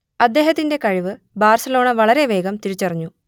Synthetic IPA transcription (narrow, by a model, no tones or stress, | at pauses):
ɐd̪ːe̞ːɦɐt̪ːinde̞kɐɻiʋɨ | baːrsɐlo̞ːɳɐʋɐɭɐɾe̞ʋe̞ːɡɐmt̪iɾit͡ɕːɐrɐɲːu